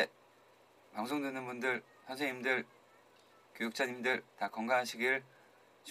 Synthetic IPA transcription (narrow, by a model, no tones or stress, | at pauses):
paŋsʰoŋdwenɯnbundɯɭ | çʰjʌnsʰeŋɲimdɯɭ | kjojuk̚t͡ɕ͈ʰaɲimdɯɭtakʌŋɡanɦaɕʰiɡiɯɭ | t͡ɕ